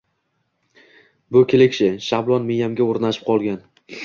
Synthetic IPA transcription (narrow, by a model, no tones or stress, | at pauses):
bʊkʲʰelekʲʃɪʃablˠɒnmejamɡʲaoɾnaʃɪ̥p̚qʰɒlˠɡʲan